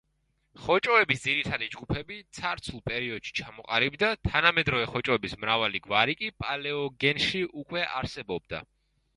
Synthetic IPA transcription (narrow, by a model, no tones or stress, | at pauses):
χɔt͡ʃʼɔɛbisd̪ziɾit̪ʰad̪id͡ʒɡupʰɛbit̪sʰaɾt̪sʰulˠpʼɛɾiɔd̪̥ʃi̥t͡ʃʰamɔqʼaɾibd̪at̪ʰanamɛd̪ɾɔvɛχɔt͡ʃʼɔɛbismɾavaliɡvaɾikʼipʼalɛɔɡɛnʃiʔukʼwɛʔaɾsɛbɔb̚d̪a̰